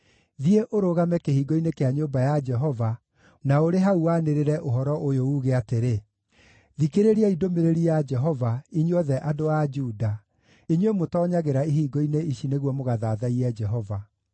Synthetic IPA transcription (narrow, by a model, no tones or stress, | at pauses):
ðieʔoɾoɣamɛkehiːɡɔinekeaɲoːbajad͡ʒɛɦɔva | naoɾeɦauwaneɾeɾɛʔoɦɔɾɔʔojouɣeateɾe | ðikeɾeɾiaidomeɾeɾiad͡ʒɛɦɔvaiɲiɔðɛʔadoad͡ʒuːda | iɲwemotɔɲaɣeɾaiɦiːɡɔineiʃineɣwɔmoɣaðaːðaiɛd͡ʒɛɦɔva